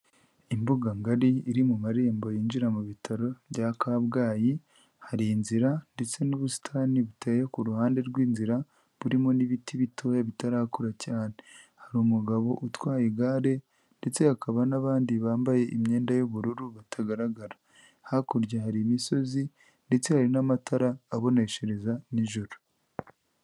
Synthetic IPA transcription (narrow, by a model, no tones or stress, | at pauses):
imbuɡaŋɡaɾiːɾimumaɾe̞ːmbo̞jiːɲɟiɾamuβitʰaɾo̞ɟakaβɡaːji | haɾinziɾande̞t͡se̞nuβusi̥tʰaːniβutʰajekuɾuhaːnde̞ɾɡwiːnziɾa | βuɾimo̞niβitʰiβitʰo̞jaβitaɾaːkuɾacaːnehaɾiumuɡaβo̞ʔutwaːjiɡaːɾe̞ | nde̞t͡sehakaβanaβaːndiβaːmbaje̞ʔimɲe̞ːndajuβuɾuɾuβatʰaɡaɾaɡaɾḁ | hakuɾɟahaɾimiso̞zi | nde̞t͡sehaɾinamataɾaːβo̞ne̞ʃe̞ɾe̞zaniʒoɾu̥